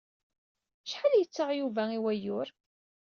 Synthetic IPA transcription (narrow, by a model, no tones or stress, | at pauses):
ʃħaljət͡sːəʁjuvæiwæjʊɾ